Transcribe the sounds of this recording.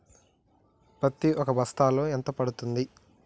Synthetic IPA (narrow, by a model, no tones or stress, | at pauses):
pɾɐt̪iʔɔkɐbʱɐst̪aːlːoːent̪ɐpɐɽut̪und̪i